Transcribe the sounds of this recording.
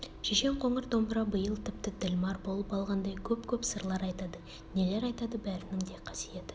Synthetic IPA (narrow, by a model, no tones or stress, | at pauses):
ʃeʃe̞mqʰo̞ɴəɾd̪o̞mbəɾɑbəjəlˠt̪ʰɪp̚t̪ɪd̪ɪlmɑɾbo̞lˠəpɑlˠʁɑnd̪ɑjkʲʰɵpkʲʰɵpsəɾlˠɑɾɑjt̪ɑd̪ə | ne̞le̞ɾɑjt̪ɑd̪əbæɾɪnɪŋd̪e̞qʰɑ̥sije̞t̪ɪ